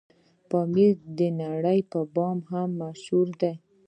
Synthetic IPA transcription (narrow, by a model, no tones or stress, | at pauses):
pɑmiɾd̪ənaɽəjpəbɑmhamːaʃhuɾd̪aj